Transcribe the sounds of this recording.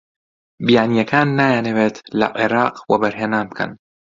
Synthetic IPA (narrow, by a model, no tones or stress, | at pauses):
bɪjanjakaːnːajanɪbat̪la̰ʔɪɾˤɑːqwabaɾɦanaːmka̰n